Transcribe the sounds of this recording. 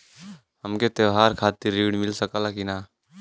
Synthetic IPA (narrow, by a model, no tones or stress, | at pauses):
həmket̪eʋɦaːɾkʰaːt̪iɾːiːɽmɪlsəkaːlakina